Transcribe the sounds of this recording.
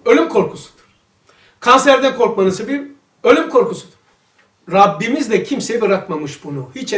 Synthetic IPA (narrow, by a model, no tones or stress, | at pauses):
ø̞lʲymkʰo̞ɾkʰusu̥d̪̥u̥ɾ̥ | kʰansæɾd̪ɛkʰo̞ɾkmanɯsɯbiɾ | ø̞lʲymkʰo̞ɾkʰusud̪̥u̥ɾ̥ | ɾabːimizd̪ɛcʰimsejibɯɾakmamɯʃbunuhit͡ʃ